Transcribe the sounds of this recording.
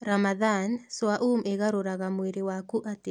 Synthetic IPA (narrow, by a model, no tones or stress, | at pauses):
ɾamaðansoaʔumeɣaɾoɾaɣamweɾewakuʔate